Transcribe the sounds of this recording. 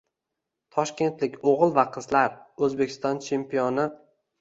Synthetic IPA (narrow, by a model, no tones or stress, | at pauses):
t̪ʰɒʃkʲe̞nt̪lɪkʲoʁɨlˠvaqʰɨzlaɾɵzbekʲʰɪst̪ɒnt͡ʃʰe̞mpʰijɒnɪ